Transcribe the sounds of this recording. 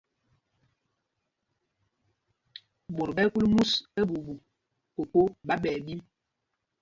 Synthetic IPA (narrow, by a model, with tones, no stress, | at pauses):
ɓo˨ɾɓɛ˦ku˦lmu˦se˦ɓu˨ɓu˨ | ko˨ko˦ɓa˦ɓɛ˨bi˦